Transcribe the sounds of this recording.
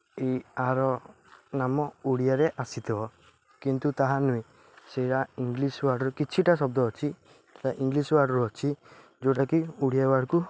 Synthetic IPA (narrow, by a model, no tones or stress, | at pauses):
ejaɾɔ | namɔuɽijaɾeʔasit̪ʰibɔ | kint̪ut̪aɦanũĩ | seʈaiŋɡliswaɽɔɾukit͡ʃʰiʈasɔbd̪ɔɦɔt͡ʃʰi | eʈaʔiŋɡliswaɽɔɾuɔt͡ʃʰi | d͡ʒoʈakiuɽijabaɽku